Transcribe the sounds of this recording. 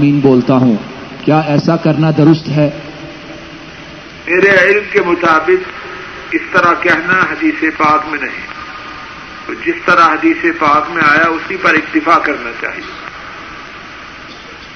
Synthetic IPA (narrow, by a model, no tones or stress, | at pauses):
miːnboːlt̪aɦũ | kjaːɛːsakɐɾnad̪ʊɾʊst̪ɦɛː | meːɾeɪlmkemʊt̪aːbɪq | ɪst̪ɐɾakɛɦnaɦɐd̪iːsepaːkmẽnɐɦḭ̃ | t̪oːd͡ʒɪst̪ɐɾaɦɐd̪iːsepaːkmẽaːjaʊsipɐɾɪk̚t̪ɪfakɐɾnat͡ʃa̰ːɦḭe